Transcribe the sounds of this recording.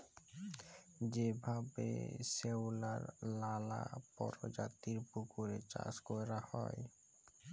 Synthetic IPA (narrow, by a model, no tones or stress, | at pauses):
d͡ʑebʱabḛsewlaɾlalapɔɾod͡ʑat̪iɾpukuɾet͡ɕaskoɾahɔ̰j